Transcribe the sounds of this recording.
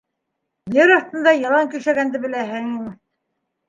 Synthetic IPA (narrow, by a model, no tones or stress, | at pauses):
jɘɾɑɾt̪ɤ̆nd̪ɑjɑlˠɑŋkɵ̆ʃæɡænd̪ɘbɘ̆læɦɘŋim